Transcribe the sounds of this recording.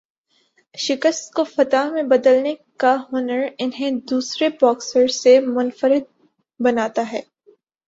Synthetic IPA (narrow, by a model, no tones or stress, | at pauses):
ʃɪkəst̪̚kofɐt̪aːɦmẽbɐd̪əlnekaɦʊnəɾɪnɦẽd̪uːsɾebɔːksəɾsemʊnfəɾɪd̪̚ | bɐnaːt̪aɦɛː